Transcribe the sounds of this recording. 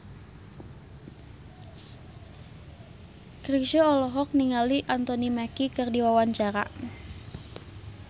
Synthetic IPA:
kɾiʃoɔlɔɦɔk̚niŋaliʔant̪ɔnimakikərdiwawaɲt͡ʃaɾa̰ʔ

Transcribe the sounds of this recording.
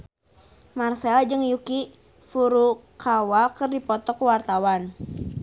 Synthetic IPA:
marsɛald͡ʒɨŋjuki | fuɾukʰawakɨrdipɔt̪ɔkuwart̪awan

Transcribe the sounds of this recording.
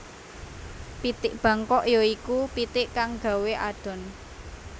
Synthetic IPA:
pit̪ɪʔb̥ä̤ŋkɔʔjoikupit̪ɪʔkaŋɡ̥a̤weʔaɖ̪̥ɔ̤n

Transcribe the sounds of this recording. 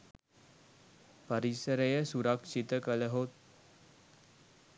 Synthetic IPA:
pəɾisəɾəjəsuɾəkʂit̪əkələɦot̪̚

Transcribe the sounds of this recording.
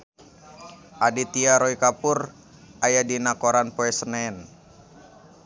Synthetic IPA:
ʔadit̪iaɾoikapur | ʔajadinakoɾanpoɛsənɛn

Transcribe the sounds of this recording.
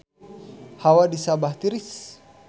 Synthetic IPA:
hawadisabaht̪iɾis

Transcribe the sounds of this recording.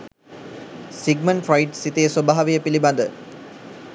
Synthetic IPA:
siɡməɳʈfajʈsit̪ejəsobaːaʋejəpiliband̪ə

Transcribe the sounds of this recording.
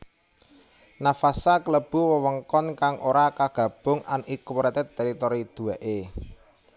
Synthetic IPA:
nafasakələb̥uwəwəŋkɔnkaŋʔoɾakaɡ̥ä̤b̥ʊ̤ŋʔanʔikuwɾɛt̪ɪt̪ːeɾit̪oɾid̪̥ṳɛʔe

